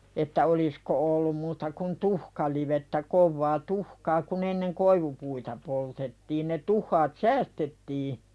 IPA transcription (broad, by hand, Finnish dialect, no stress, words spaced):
etːæ olisko olːum muːtɑ kun tuhkɑliʋetːæ koʋːɑː tuhkɑː kun enːeŋ koiʋupuitɑ poltetːiːn ne tuhːɑːt sæːstetːiː